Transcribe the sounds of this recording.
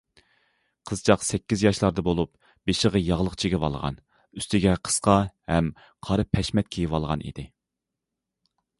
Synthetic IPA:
qʰəzt͡ʃʰɑqsɛkʲːizjɑʃlˠɑɾd̪ɨbolˠup̚ | b̥eʃəʁɑjɑʁlˠəqt͡ʃʰiɡʲɛvɑ̰lˠʁɑ̰n | yst̪ɪɡʲɛqʰə̥sqɑhɛm | qʰɑɾɨpʰɛʃmɛt̪̚kʲʰejivɑlˠʁɑ̰nḭd̪ɪ

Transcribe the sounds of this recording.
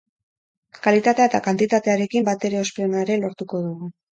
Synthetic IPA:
kalit̪at̪e̞at̪akant̪it̪at̪e̞aɾe̞kimbat̪e̞ɾe̞o̞speonaeɾe̞lo̞ɾt̪uko̞ðuɣu

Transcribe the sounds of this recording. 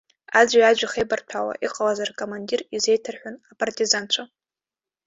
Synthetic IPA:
ad͡ʒʷiad͡ʒʷaχejbartʷʰawa̰ʔiqʼalazarkʼomandirize̞jtʰɨrħʷᶣʊnapʼartʼizant͡ʃʷʰa

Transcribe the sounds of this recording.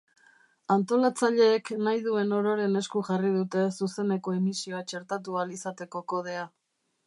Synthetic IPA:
ant̪o̞lat͡saʎe̞ːknajðue̞no̞ɾo̞ɾe̞ne̞skuʝarið̞ut̪e̞suse̞ne̞ko̞emisio̞at͡ʃe̞ɾt̪at̪̬ualisat̪e̞ko̞ko̞ð̞e̞a

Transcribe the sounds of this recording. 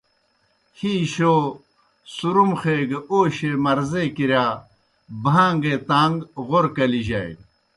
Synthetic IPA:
hiːɕoː | suɾumxeːɡeoːɕemɐɾzekiɾjaː | bʱãːŋɡet̪aːŋɡɣoɾkɐliʑɐj̰

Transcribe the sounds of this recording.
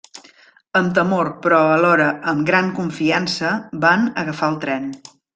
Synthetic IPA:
əmt̪əmoɾpɾɔəlɔɾəəmɡɾaŋkuɱfiansəbanə̰ɣəfaəlˠt̪ɾɛn

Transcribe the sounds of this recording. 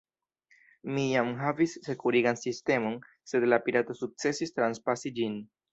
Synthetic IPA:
mijamɦavisːe̞kuɾiɡansiste̞mo̞n | se̞dlapiɾato̞suk̚t͡se̞sistɾanspasid͡ʒin

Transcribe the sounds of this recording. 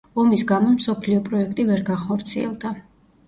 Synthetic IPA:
ɔmisɡamɔmsɔpʰliɔpʼɾɔɛkʰt̪ʼivɛɾɡaχɔɾt̪sʰiɛ̰lˠd̪a

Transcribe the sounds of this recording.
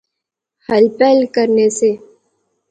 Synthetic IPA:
həlpɛːlkəɾnese

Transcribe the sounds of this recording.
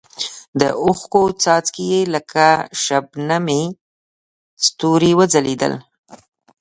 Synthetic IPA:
d̪ə̰ʊxkot͡sɑt͡skijeləkʰaʃabname | st̪uɾiwəd͡zaled̪ə̰l

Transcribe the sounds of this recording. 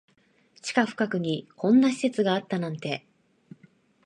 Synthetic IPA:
t͡ɕi̥kaɸɯ̟̥kakɯ̟ɲ̟ikʰõ̞nːaɕi̥se̞t͡sɨɡaːt̪ːanãnt̪e̞

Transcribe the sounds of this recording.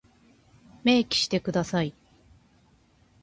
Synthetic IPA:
me̞ːkʲi̥ɕi̥t̪e̞kɯ̟d̪asai

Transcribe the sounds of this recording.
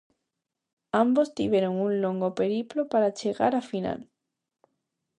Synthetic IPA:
ambost̪iβjeɾoŋunloŋɡopeɾiplopaɾat͡ʃeɣa̰ɾafina̰l

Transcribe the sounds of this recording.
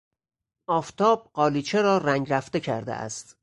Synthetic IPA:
ʔɒːft̪ʰɒːb̥̚ɢɒːliːt͡ʃʰeɾɒːræŋɡɾæft̪e̞cʰæ̰ɾd̪ḛʔæ̰st̪

